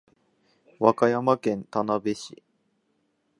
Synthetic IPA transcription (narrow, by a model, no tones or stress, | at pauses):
βakajamakẽ̞nt̪anabe̞ɕḭ